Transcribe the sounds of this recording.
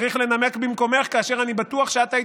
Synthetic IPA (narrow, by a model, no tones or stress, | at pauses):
ʁiχle̞namekbimko̞me̞χkaːʃe̞ʁanibat̪uaχʃeat̪ai